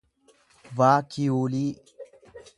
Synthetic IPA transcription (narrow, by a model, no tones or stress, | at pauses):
vaːkʰijoːliː